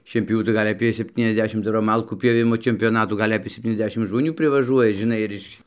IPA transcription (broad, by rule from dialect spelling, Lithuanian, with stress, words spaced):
ʃʲiɛnʲpʲjoːˈʋʲuː tɐɪ ˈɡɐlʲ ɐˈpʲeː sʲɛpʲˌtʲiːnʲɛzʲˈdʲæːʃʲɪm ˈdɐr ʋɐ ˈmɐlˠkuː pʲjoːˈʋʲɪmoː t͡ʃʲɛmʲpʲoːˈnɑːtuː ˈɡɐlʲ ɐpʲeː sʲɛpʲˌtʲiːnʲɛzʲˈdʲæːʃʲɪm ʒmoːˈnʲuː pʲrʲɪʋɐˈʒuɔjɛ ʒʲɪˈnɐɪ ɪr ˈɪʃ